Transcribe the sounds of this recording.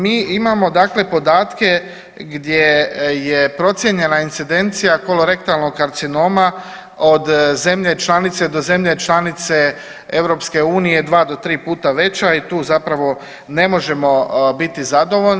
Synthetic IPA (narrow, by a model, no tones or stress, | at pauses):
miːimamo̞d̪aːkle̞po̞d̪aːt̪ke̞ | ɡd̪je̞je̞pɾo̞t̪sʲjeɲe̞naint̪sid̪e̞nt̪sijako̞lo̞ɾe̞kt̪alˠno̞ɡkaɾt̪sino̞ːma | od̪ze̞mʎe̞t͡ʃlˠanit̪se̞d̪o̞ze̞mʎe̞t͡ʃlˠanit̪se̞ | e̞ʋɾo̞pske̞uːnije̞d̪ʋaːd̪o̞t̪ɾiːpuːt̪aʋe̞t͡ɕait̪uːzapɾaʋo̞ | ne̞mo̞ʒe̞mo̞bit̪izad̪o̞ʋoʎn